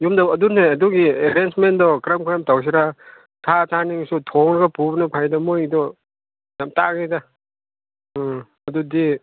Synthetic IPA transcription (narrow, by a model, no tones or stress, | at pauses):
jumdaɐduneɐduɡieɾensmendɔkɾamkɾɐmtaws̬iɾa | tʰatʰaniŋsutʰɔŋɾɡapubnɐpʰajdamojdɔ | jamta̰ɡijda | ɐdudi